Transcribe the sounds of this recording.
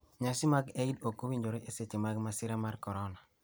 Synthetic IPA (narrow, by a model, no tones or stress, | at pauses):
ɲasɪmaɡeidokowiɲd͡ʒoɾeʔeset͡ʃemaɡmasɪɾamarkɔɾɔna